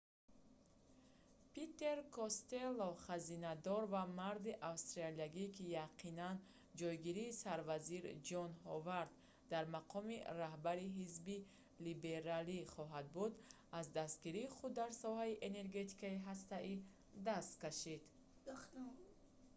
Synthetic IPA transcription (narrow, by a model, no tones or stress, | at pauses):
pit̪ːe̞ɾkʰɔst̪e̞lːoχazinad̪ɔɾvamaɾd̪iʔavst̪ɾaliaɡikʰijaqʰinan | d͡ʒɔjɡiɾiːsaɾvaziɾd͡ʒɔnhɔvaɾd̪̚ː | aɾmaqʰɔmiɾaɦbaɾiɦizbi | libe̞ɾaliχɔɦad̪̚bud̪ | azd̪ast̪̚ɡiɾiːχud̪ːaɾsɔhaiʔe̞ne̞ɾɡe̞t̪ʰi̥kaiɦast̪ai | d̪ast̪kaʃid̪̥